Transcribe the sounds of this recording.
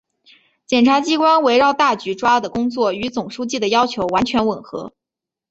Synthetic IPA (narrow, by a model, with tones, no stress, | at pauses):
t͡ɕjɛ˨˩nʈ͡ʂʰa˧˥t͡ɕi˥kwa˥nwe˧˥ɪɻɑ˥˧ʊt̪a˥˩t͡ɕy˧˥ʈ͡ʂwa˥d̪ə˩kʊ˥ŋt͡swɔ˥˩y˧˥t͡sʊ˨˩ŋʂu˥t͡ɕi˥˩d̪ə˩jɑ˥ʊt͡ɕʰjo˧˥ʊwa˧˥nt͡ɕʰɥɛ˧˥nwə˨˩nxɤ̰˧˥